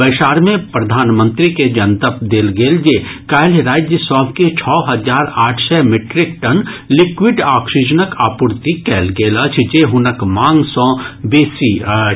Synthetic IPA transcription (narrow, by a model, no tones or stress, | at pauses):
bɐɪʃaːɾmẽpɾɐd̪ʱaːnmə̃nt̪ɾiked͡ʒɐnt̪əpd̪eːlɡeːld͡ʒekaːjlɾaːd͡ʒjəsɔːbket͡ʃʰɔːɦɐzaːɾaːʈʰsɛmɪʈɾɪk̚ʈɐnlɪkwɪɖaːkʃɪd͡ʒənəkaːpʊɾt̪ikɛːlɡeːlət͡ʃʰd͡ʒeːɦʊnəkmãːŋɡsɔ̃ːbeːsi